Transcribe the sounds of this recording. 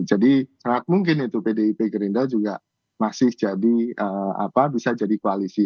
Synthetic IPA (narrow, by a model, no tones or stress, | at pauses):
d͡ʒadisaŋat̪̚muŋkɪnit̪upedeipeɡəɾindad͡ʒuɡa | masɪhd͡ʒadiəa̰pabisad͡ʒadikoalisi